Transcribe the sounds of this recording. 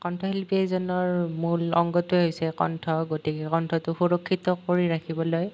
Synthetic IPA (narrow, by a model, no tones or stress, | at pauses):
kɔntʰɔɦelpiɛzɔnɔɹmulɔ̰ŋɡɔtuɛɦojsɛkɔ̰ntʰɔɡotikɛkɔntʰɔtʊxuɹɔkʰːitɔkoɹiɹakʰibɔloj